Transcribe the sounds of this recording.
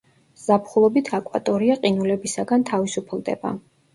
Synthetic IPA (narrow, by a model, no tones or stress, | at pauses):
z̥apʰχulˠɔbit̪ʰakʼwa̰t̪ʼɔɾiaqʼinulɛbisaɡant̪ʰavisupʰlˠd̪ɛ̰ba̰